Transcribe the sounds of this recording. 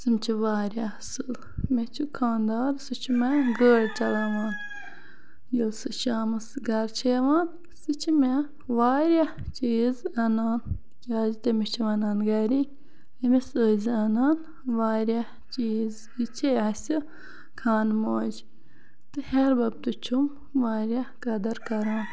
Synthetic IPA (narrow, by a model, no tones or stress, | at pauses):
sɨmt͡ʃʰiʋaːɾʲasɨl | met͡ʃʰukʰaːnd̪aːɾsɨt͡ʃʰimɛɡəːɽt͡ʃɐlɐʋaːn | jɨlsɨʃaːmɨsɡɐɾt͡ʃʰeʋaːn | sɨt͡ʃʰime | ʋaːɾʲa | t͡ʃijizɐnaːn | kʲaːzit̪ɐmit͡ʃʰiʋɐnaːnɡɐɾi | ɐmisəːzɐnaːn | ʋaːɾʲa | t͡ʃiːz | it͡ʃʰeɐsʲi | kʰaːnmoːd͡ʒ | t̪ɨheɾbɐb̚t̪ut͡ʃʰum | ʋaːɾʲɐkɐd̪ɐɾkɐɾaːn